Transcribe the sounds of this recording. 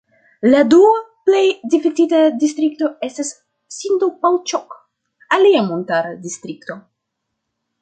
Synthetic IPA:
laduaple̞jdifiktitadistɾik̚to̞e̞stasː | intopawt͡ʃok | aliamontaɾadistɾikto̞

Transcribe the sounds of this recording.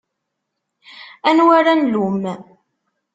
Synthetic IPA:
ænwaɾænlum

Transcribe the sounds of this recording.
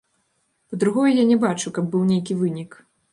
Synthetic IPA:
pɐd̪ɾuɣɔjɛjanʲɛbat͡ʂukɐb̚ːɨwnʲejkʲivɨnʲik

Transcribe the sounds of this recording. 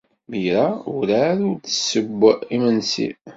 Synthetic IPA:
məɾaʊɾaɾuɾt͡sːə̥səbːimənsḭ

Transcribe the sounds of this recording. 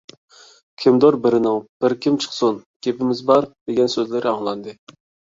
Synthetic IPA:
kʲʰimd̪oɾbɪɾɪnɪŋb̥ɪɾkʲimt͡ʃʰə̥χsunɡʲepɪmɪzbɑɾd̪̥eɡʲɛnsøzlɪɾɪɑŋlˠɑnd̪ɨ

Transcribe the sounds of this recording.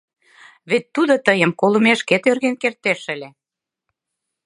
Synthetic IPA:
βet̪ːud̪ot̪əjə̆mkolə̆meʃket̪ørɣenkert̪eʃə̆lʲe

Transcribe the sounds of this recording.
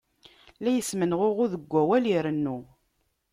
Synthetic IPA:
læjəsmənʁʊʁʊðəɡʷːæwæliɾənːu

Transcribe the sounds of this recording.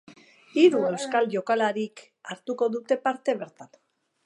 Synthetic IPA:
iɾue̞wskalʝo̞kalaɾik | aɾt̪uko̞ðut̪e̞paɾt̪e̞βe̞ɾt̪an

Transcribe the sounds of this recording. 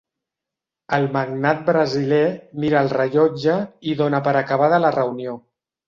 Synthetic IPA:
əlˠməɡnat̪̚bɾəzilemiɾəːlˠrəʎɔd͡ʒəiðonəpəɾəkəβaðələrəunijo

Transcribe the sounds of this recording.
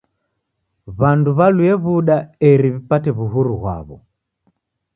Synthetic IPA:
βanduβaluɛβuɗaɛɾiβipatɛβuɦuɾuɣwa̰βɔ̰

